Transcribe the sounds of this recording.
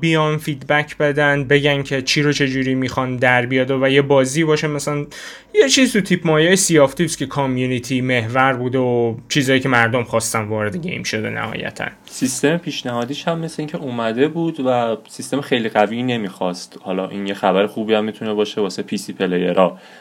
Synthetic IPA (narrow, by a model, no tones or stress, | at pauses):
bijɒnfid̪bæcʰbe̞d̪ænbe̞ɟæncʰe̞t͡ʃʰiːɾot͡ʃʰe̞d͡ʒuːɾimiːxɒnd̪æɾbijɒd̪ovæje̞bɒːziːbɒːʃemæsælæn | jet͡ʃʰiːzt̪ut̪ʰipʰmɒːjeːjesijɒːft̪ʰiːscʰʲe̞kʰɒmjunit̪ʰime̞hvæɾbuːd̪eot͡ʃʰiːzɒːjicʰe̞mæɾd̪omχɒːst̪ænvɒːɾe̞d̪eɟʲḛjmʃo̞d̪e̞̰næ̰hɒ̰ːjæ̰t̪ʰæ̰n | sist̪e̞mepʰiːʃnæhɒːd̪iːʃhæmːesleiŋcʰeʔumæd̪e̞buːd̪væsist̪e̞mexejliɣævine̞miːxɒst̪hɒlɒːʔinjexæbæɾexuːbiæmːit̪ʰunebɒːʃebɒːsepʰisipʰelejeɾɒː